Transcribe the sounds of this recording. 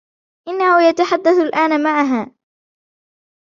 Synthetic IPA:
ʔɪnːahʊjat̪aħad̪ːaθalʔaːnamaʕaɦaː

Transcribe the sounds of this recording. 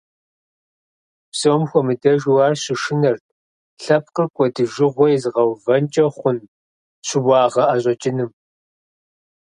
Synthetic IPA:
psɐwmxʷɔmɨdɐʒwɑːrɕɪʃɪnɐrt̚ʰ | ɬɐp̚ʰqərkʷʼɔdɨʒɪʁʷɔjzɨʁɐwvɐnt͡ʃʼɐχʷʊn | ɕɪbʷɑːʁɐaːɕʼɐt͡ʃʼɪnɨm

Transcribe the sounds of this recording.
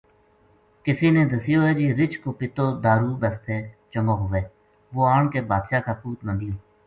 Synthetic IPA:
kɪsiːneːd̪əsɪjoːɛːd͡ʒiːɾɪt͡ʃkoːpɪt̪oːd̪aːɾuːbəst̪eːt͡ʃəŋɡõːɦʊʋeː | ʋoːaːɳkeːbaːd̪ʃaːkaːpuːt̪nãːd̪ɪjoː

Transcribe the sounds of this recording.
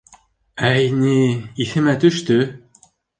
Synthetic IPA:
æjniiθɘ̆mæt̪ɵ̆ʃt̪ɵ

